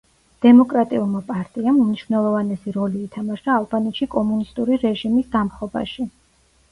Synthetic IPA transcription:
d̪̥ɛmɔkʼɾat̪ʼiulˠmapʼaɾt̪ʼiamumniʃvnɛlˠɔvanɛsiɾɔliːt̪ʰamaʃd̪aːlˠbanɛt̪ʃikʼɔmunist̪ʼuɾiɾɛʒimisɡ̪amχɔba̰ʃi

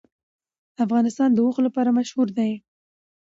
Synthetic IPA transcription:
afɣɑnɪst̪ɑnd̪əwʊxlapɑɾamaʃhuɾd̪aj

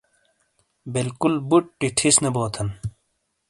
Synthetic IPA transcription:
bilkulbuʈ̚ːiʈʰisnɐboːt̪ʰɐn

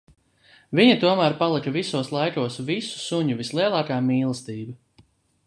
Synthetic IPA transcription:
viɲɐt̪uɔmæːɾpalˠikɐvisuɔslˠajkuɔsvisu̥suɲuvislˠiɛlˠɑːkaːmiːlˠɨst̪iːba

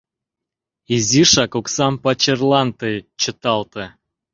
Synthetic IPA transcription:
izʲiʃɑkoksɑmpat͡ɕerlˠɑnt̪et͡ɕə̆t̪ɑlˠt̪ɤ

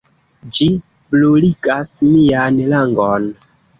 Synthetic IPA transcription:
d͡ʒi | bloliɡasmianlaŋɡɔn

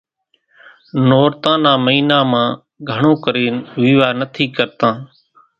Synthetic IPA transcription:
noːɾt̪ãːnãːməiːnaːmãː | ɡʱəɳõːkəɾeːnʋiːʋaːnət̪ʰiːkəɾt̪ãː

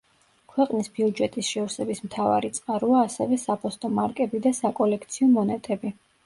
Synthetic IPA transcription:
kʰwɛqʼnisbiud͡ʒɛt̪ʼisʃɛɔɾsɛbismt̪ʰava̰ɾit̪sʼqʼaɾuaːsɛvɛsapʰɔst̪ʼɔmaɾkʼɛbid̪asakʼɔlɛkʰt̪sʰiɔmɔnɛt̪ʼɛbi

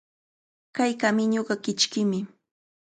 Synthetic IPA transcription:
kajkamɪɲoɢɑkɪt͡ʃkɪmɪ

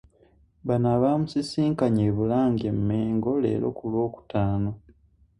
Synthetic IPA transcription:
βanaβamusisiːŋkaɲeːβulaːŋɡe̞mːeːŋɡo̞le̞̰ːlo̞̰kulwo̞ːku̥taːno̞

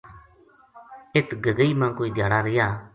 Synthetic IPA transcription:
ɪt̪ɡəɡəiːmãːkoːiːd̪ʱjaːɽaːɾɪjaː

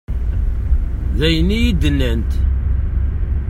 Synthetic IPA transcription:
ðæjənijid̪ənːənt̪

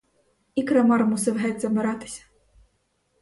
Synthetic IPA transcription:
ikɾamaɾmusɐvɦɛd̪ʲzɐbʲɨɾat̪ɨ̥sʲɐ̥

